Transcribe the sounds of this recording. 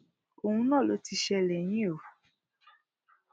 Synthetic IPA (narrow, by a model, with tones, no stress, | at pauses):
o˨hũ˧nãː˦˨lo˨˦ti˧ʃɛ˧lɛ˨j̃ĩ˦o˨